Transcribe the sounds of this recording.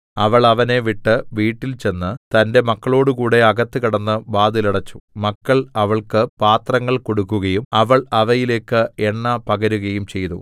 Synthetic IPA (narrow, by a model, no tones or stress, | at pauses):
ɐʋɐɭɐʋɐne̞ʋiʈːɨʋiːʈːilt͡ɕe̞nːɨt̪ɐnde̞mɐkːɐɭo̞ːɽukuːɽe̞ɐɡɐt̪ːɨkiɽɐnːɨbaːd̪iliɽɐt͡ɕːu̥mɐkːɐɭɐʋɐɭkɨpaːt̪rɐŋːɐɭkoɽukːuɣɐjumɐʋɐɭɐʋɐjile̞ːkːɨeɳːɐpɐɡɐɾuɣɐjumt͡ɕe̞jt̪ṵ